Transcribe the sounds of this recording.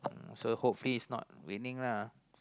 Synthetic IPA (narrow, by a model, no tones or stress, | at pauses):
sohopfliːsnɔ̰t̚wḭnĩŋla